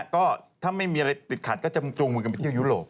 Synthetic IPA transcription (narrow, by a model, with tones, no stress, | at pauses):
kɔː˥˩t̪ʰaː˥˩ma˥˩jmiː˧ʔa˧ɾa˧jt̪i˨˩kʰaː˨˩t̪̚kɔː˥˩t͡ɕa˨˩˧oː˧ŋmu˧ka˧pa˧t̪i˥˩ju˦˥˩lo̰ː˨˩p̚